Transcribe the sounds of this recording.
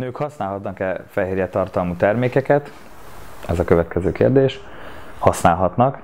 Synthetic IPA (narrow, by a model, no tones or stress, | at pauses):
nøːkhɒsnaːlɦɒt̪nɒkɛfɛɦeːrjɛt̪ɒrt̪ɒlmuːt̪ɛrmeːkɛkɛt̪ | ɛzɒkøvɛt̪kɛzøːkḛːrd̪eːʃ | hɒsnaːlɦɒt̪nɒk